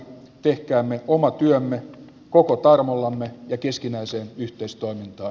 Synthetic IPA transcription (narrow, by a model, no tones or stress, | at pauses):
t̪ehkæːmːeomɑt̪yømːe | kokot̪ɑrmolːɑmːejɑkeskinæiseːnyht̪eist̪oimint̪ɑː